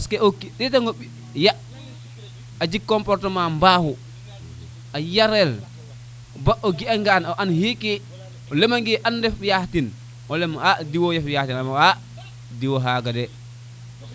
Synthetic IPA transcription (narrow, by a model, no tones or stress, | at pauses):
paskɛokːiɗɛtaŋɡoɓi | ja | ad͡ʒikːɔmpɔɾtɔmambahu | ʔajaɾɛl | baʔɔɡiaŋɡanɔʔanhiki | ɔlɛmaŋɡiʔandɛfjahtin | ɔlɛmadiwɔjɛfjatinamaa | diwɔɦaːɡadɛ